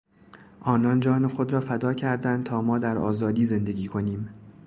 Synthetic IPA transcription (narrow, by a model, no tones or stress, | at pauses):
ʔɒːnɒːnd͡ʒɒːnexod̪ɾɒːfæd̪ɒːcʰæɾd̪ænd̪̚t̪ʰɒːmɒːd̪æɾʔɒ̰ːzɒːd̪iːze̞nd̪e̞ɡʲiːkʰo̞niːm